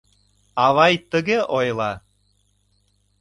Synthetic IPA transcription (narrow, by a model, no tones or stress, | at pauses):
ɑβɑjt̪ə̆ɣeʔojlˠɑ